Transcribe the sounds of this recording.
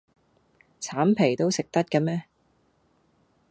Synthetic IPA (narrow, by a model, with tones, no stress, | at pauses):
t͡sʰaː˨˥mpʰe˨˩jt̪o˥wsɪ˨k̚t̪ɐ˥t̚kɐ˧mɛː˥